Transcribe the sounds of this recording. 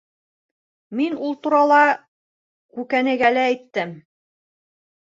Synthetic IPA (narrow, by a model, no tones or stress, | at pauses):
minulˠt̪uɾɑlˠɑ | kʉkænɘ̆ɡælæːjt̪ːɘm